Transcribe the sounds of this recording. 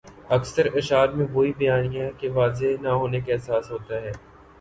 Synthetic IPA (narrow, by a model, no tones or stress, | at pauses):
ɐksəɾɪʃaːd̪mẽʋoːibɐjaːnijãkeʋaːzenaɦoːnekeɛsaːsɦoːt̪aɦɛː